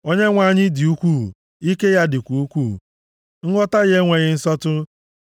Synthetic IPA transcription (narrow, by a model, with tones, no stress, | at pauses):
o˦ɲe˦ŋʷa˦˨ɲɪ˦dɪ˨u˦kʷuː˦˨ | i˦ke˦ja˦dɪ˨kʷu˨u˦kʷṵ˦˨ | ŋ̩˦ɡʷɔ˦ta˦ɣe˦ŋʷe˨ɣɪ˦n̩˦sɔ˦tʊ˦